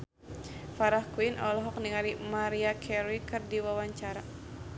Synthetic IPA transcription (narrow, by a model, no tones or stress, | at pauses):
faɾahkwinʔɔ̰lɔɦɔk̚niŋaɾimaɾiakʰɛɾikɨrdiwawaɲt͡ʃaɾa